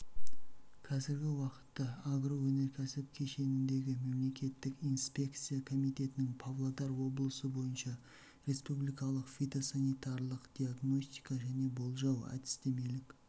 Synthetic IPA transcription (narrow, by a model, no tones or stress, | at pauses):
kʰɑzɪɾɡʲɪwɑqə̥t̪ːɑaɡɾo̞wɵne̞ɾkʲʰæsɪp̚kʲʰe̞ʃe̞nɪnd̪e̞ɡʲɪme̞mle̞kʲe̞t̪ːɪkijnspʲe̞kt̪sijakʰo̞mijt̪e̞t̪ɪnɪŋpʰavlˠad̪ɑɾwo̞blˠəsəbo̞jənʃɑ | ɾe̞spublijkɑlˠəqfʲit̪o̞sanijt̪ɑɾlˠəqd̪̥ʲiaɡno̞st̪ijkɑʒæne̞bo̞lˠʒɑwæ̰d̪ɪ̥st̪e̞me̞lɪkʲ